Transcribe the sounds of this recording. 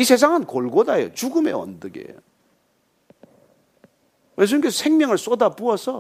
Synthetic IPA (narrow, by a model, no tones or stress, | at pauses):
isʰe̞sʰaŋɯnkoɭɡodajo̰t͡ɕuɡɯme̞̰ʌ̰ndɯɡḛjo | weɭs̬ʰimikesʌsʰeŋmjʌŋɯɭs͈odapuʌsʰʌ